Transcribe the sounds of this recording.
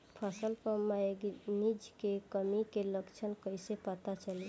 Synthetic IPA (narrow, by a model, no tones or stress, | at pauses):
pʰasəlpəmːaeɡnid͡ʒkekəmikeləkt͡ʃʰənkəjsepət̪at͡ʃəli